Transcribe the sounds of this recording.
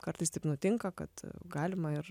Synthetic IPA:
kɐrɾt̪ɐɪst̪ɐɪpnʊt̪ʲɪŋkɐkɐt̪ɡɑːlʲɪmɐɪɾ

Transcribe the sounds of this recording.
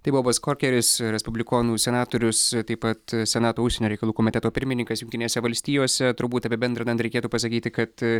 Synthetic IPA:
t̪ɐɪbuʋoːbɐskoːɾkʲɛɾʲɪsɾʲɛspʊbʲlʲɪkoːnuːsʲɛnɑːt̪oːɾʲʊst̪ɐɪpɐt̪sʲɛnɑːt̪oːʊʃsʲɛnʲoːɾɛɪkɐlˠuːkoːmʲɪt̪ʲɛt̪oːpʲɪɾʲmʲɪnʲɪŋkɐsjʊŋʲkʲt̪ʲɪnʲeːsʲɛʋɐlʲsʲt̪ʲiːjoːsʲɛt̪ʊɾbuːt̪ɐpʲebʲɛnd̪ɾɐd̪ɐnt̪ɾʲɛkʲeːt̪uːpɐsɐkʲiːt̪ʲɪkɐt̪

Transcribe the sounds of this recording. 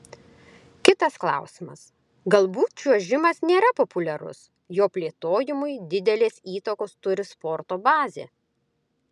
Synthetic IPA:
kʲɪt̪ɐsklˠɑ̰ˑʊsʲɪmɐ̰s | ɡɐlˠbuːt̪t͡ʃʲuɔʒʲɪmɐsnʲeːɾɐpopʊlʲɛɾʊ̰s | joːpʲlʲeːt̪oːjɪmʊɪd̪ʲɪd̪ʲɛlʲeːsiːt̪ɐkoːst̪ʊɾʲɪspɔɾt̪oːbɑːzʲḛː

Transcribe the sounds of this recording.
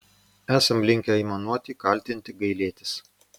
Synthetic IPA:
æːsɐmlʲɪŋʲkʲɛiːˑmɐnuɔt̪ʲiːkɐˑlʲt̪ʲɪnʲt̪ʲɪɡɐɪlʲeːt̪ʲɪs

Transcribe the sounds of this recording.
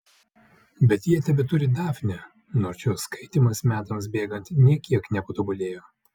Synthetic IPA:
bʲɛt̪jiɛt̪ɐbʲɪt̪ʊɾʲɪd̪ɑːfʲnʲɛ | noːɾt͡ʃʲoːskɐɪt̪ʲimɐsmʲæːt̪ɐmsbʲeːɡɐnʲt̪ʲnʲiɛkʲiɛknʲɛpɐt̪obʊlʲeːjoː

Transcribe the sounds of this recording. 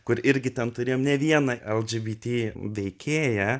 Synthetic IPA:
kʊɾɪɾʲɡʲɪt̪ʲɛnt̪ʊɾʲeːjoːmnʲɛʋʲiɛnɐʔɛlˠd͡ʒʲiːbʲiːt̪ʲiːʋʲɛɪkʲeːjæ

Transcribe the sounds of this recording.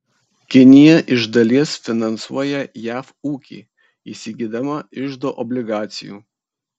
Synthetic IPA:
kʲɪnʲɪjɛʔɪʒd̪ɐlʲiɛsfʲɪnɐnsṵɔjɛjæːfuːkʲḭː | isʲɪɡʲid̪ɐmɐɪʒd̪oːʔɔbʲlʲɪɡɑːt̪sʲɪjṵː

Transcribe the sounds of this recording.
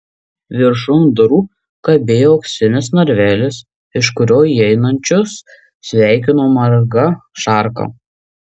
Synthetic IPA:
ʋʲɪɾʃʊnd̪ʊɾuː | kɐbʲeːjoːɐʊksʲɪnʲɪsnɐɾʲʋʲæːlʲɪs | ɪʃkʊɾʲoːjiɛɪnɐnʲt͡ʃʲʊs | sʲʋʲæˑɪkʲɪnoːmɐɾɡɐʃɑˑɾkɐ̰ː

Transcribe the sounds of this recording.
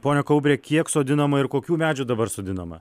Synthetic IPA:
poːnʲɛkɐʊbʲɾʲeːkʲiɛksoːd̪ʲɪnɐmɐɪɾkoːkʲuːmʲæːd͡ʒʲud̪ɐbɐɾsoːd̪ʲɪnɐmɐ̰

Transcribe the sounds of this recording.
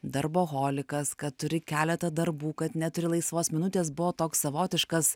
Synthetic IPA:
d̪ɐɾboːɣoːlʲɪkɐskɐtt̪ʊɾʲɪkʲæːlʲɛt̪ɐd̪ɐɾbuːkɐt̪nʲɛt̪ʊɾʲɪlˠɐɪsʋoːsmʲɪnʊt̪ʲeːs̬bʊʋoːt̪oːkssɐʋoːt̪ʲɪʃkɐs

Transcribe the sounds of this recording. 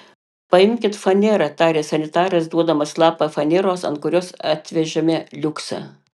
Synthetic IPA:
pɐɪmʲkʲɪt̪fɐnʲeɾɐt̪ɑːɾʲeːsɐnʲɪt̪ɑːɾɐsd̪uɔd̪ɐmɐslˠɑːpɐfɐnʲeɾoːsɐ̰nt̪̚kʊɾʲoːsɐt̪ʲʋʲɛʒʲɛmʲelʲʊksɐ̰

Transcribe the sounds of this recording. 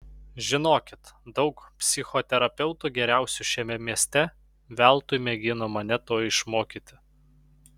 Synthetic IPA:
ʒʲɪnoːkʲɪt̪d̪ɒʊkpʲsʲɪxɔt̪ʲɛɾɐpʲɛʊt̪uɡʲɛɾʲæˑʊsʲuʃʲɛmʲɛmʲiɛsʲt̪ʲɛ | ʋʲæˑlˠt̪ʊjmʲɛɡʲɪnoːmɐnʲɛt̪oːɪʃmoːkʲit̪ʲɪ

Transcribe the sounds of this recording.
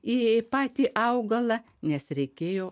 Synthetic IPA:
iːpɑːt̪ʲiːʔɐʊɡɐlˠɐ | nʲɛsɾʲɛɪkʲeːjoː

